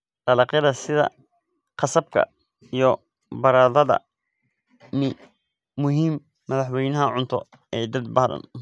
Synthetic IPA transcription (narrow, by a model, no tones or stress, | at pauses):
qɑlɑqjɐðɐsɪðɐ̰ | qɑsɐb̚kʰɐ̰ | ijɔ | bɐɾaːðɐðɐ̰ | mɪː | ʊɦiːmː | ɐðɑħwɛjnɐɦɐʕʊnt̪ʰɔ̰ | ɛːd̪ɐd̪̚bɐɦðɐ̰n